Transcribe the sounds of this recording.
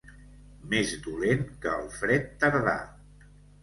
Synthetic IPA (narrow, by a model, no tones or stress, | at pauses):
mezd̪ulenkəːlˠfɾɛt̪ːəɾða̰